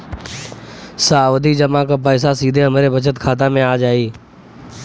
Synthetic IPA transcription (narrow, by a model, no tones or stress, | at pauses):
saːʋəd̪ʱiːd͡ʒəmãkapəːs̬asiːd̪ʱeəmɾebʱət͡ʃət̪kʰaːt̪ãmẽaːd͡ʒaːiː